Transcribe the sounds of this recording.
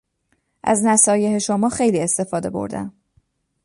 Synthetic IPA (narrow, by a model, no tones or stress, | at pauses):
ʔæ̰znæsɒːje̞heʃomɒːxe̞jliːe̞st̪e̞fɒːd̪e̞̰bo̰ɾd̪æ̰m